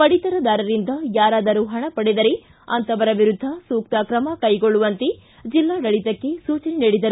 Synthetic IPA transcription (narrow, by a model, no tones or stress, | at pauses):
pɐɽit̪ɐɾɐd̪aːɾɐɾind̪ɐjaːɾaːd̪ɐɾuɦɐɳɐpɐɽed̪ɐɾe | ɐ̰nt̪ɐʋɐɾɐʋiɾud̪ʱːɐsuːk̚t̪ɐkɾɐmɐkɐjɡoɭːuʋɐnt̪e | d͡ʒilːaːɖɐɭit̪ɐkːe̞suːt͡ʃɐneniːɽid̪ɐɾu